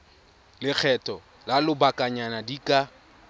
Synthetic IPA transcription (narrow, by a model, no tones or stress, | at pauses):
lɪk͡xʰɛtʼɔ | lalʊbakʼaɲanadikʼa